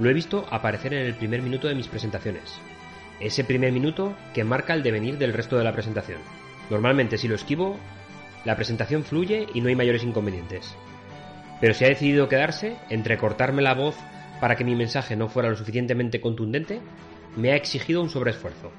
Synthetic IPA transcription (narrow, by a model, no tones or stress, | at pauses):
lo̞e̞βist̪o̞ʔapaɾe̞θe̞ɾe̞ne̞lpɾime̞ɾmĩnut̪o̞ðe̞mispɾeent̪aθjo̞ne̞̰s | e̞se̞pɾime̞ɾmĩnut̪o̞ke̞maɾkaeld̪e̞βe̞niɾðe̞lre̞st̪o̞ð̞e̞lapɾe̞se̞nt̪aθjo̞̰nː | o̞ɾmalmẽnt̪e̞silo̞e̞skiβo̞ | lapɾe̞sent̪aθjo̞ɱfluʝe̞ʔino̞ajmaʝo̞ɾe̞siŋkombenjẽ̞nt̪e̞s | pe̞ɾo̞siaðe̞θiðiðo̞ke̞ðaɾse̞ːnt̪ɾe̞ko̞ɾt̪aɾme̞laβo̞θ | paɾake̞mimẽnsaxe̞no̞fwe̞ɾalo̞sufiθjent̪e̞mẽ̞nt̪e̞ko̞nt̪und̪e̞nt̪e̞ | me̞aeksixiðo̞unso̞βɾesfwe̞ɾθo̞